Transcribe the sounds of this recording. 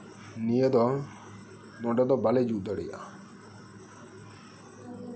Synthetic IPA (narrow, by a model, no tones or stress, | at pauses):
nijed̪ɔ | nɔɖɔd̪ɔbaled͡ʒud̪ɔɽḭja̰